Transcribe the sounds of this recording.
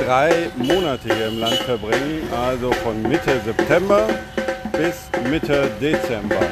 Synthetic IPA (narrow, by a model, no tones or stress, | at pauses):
d̥ʁaɪmoːnatʰəhiːɐɪmlantfɛɐbʁɪŋənʔalzofɔnmɪtʰəzɛptʰɛmbɐ | b̥ɪsmɪtʰədet͡sɛmbɐ